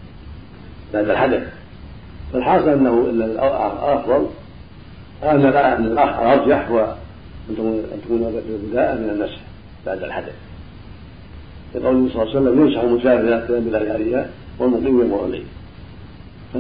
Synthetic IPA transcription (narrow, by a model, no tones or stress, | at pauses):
baʕd̪alħad̪aθ | falħɑːsɨlʔɪnːahʊʔɪnːalʔʔɑfðˤɑl | ʔanːaʔɪnːalʔɑa̰lʔɑt̪ˤd͡ʒaħwa | ʔɪnt̪ːt̪ḁkuːnbɪd̪aːʔamɪnanːasħ | baʕd̪a̰lħad̪aθ | lɪqɑwlɪsˤɑlːsalːamjamʃaħalmʊt̪ʃaːhɪɾlat̪jaːmbɪlaːhʕaleːha | wɪlmʊqiːmjamʊɾˤlḭː | fa